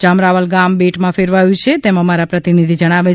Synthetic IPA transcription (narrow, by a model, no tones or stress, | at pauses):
t͡ʃamɾaʋəlɡambeʈmãfeɾʋajũt͡ʃʰet̪eməmaɾapɾət̪inid̪ʱid͡ʒəɽ̃aʋe